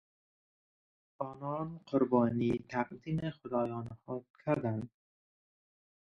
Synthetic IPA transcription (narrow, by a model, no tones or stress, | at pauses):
ɒːnɒnqʰʊɾbɒːnit̪ʰaqd̪imexʊd̪ɒːjɒːnhɔt̪kʰaɾd̪and̪